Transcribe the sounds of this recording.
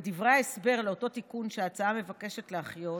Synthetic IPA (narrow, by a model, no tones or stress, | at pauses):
divʁeaesbe̞ʁleoto̞tikunʃeat͡saame̞vake̞ʃe̞tleaχjo̞